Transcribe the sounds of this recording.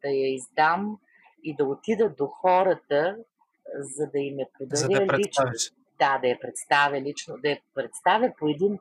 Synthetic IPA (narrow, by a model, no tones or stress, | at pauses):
d̪̥ɐjɐizd̪am | id̪ɐot̪id̪əd̪oxɔɾət̪ə | zɐd̪ɐimɛpod̪ɐɾʲəlit͡ʃ | d̪ad̪ɐjɐpɾɛt̪st̪avʲjəlit͡ʃnod̪ɐjɐpɾɛt̪st̪avʲjəpoɛd̪in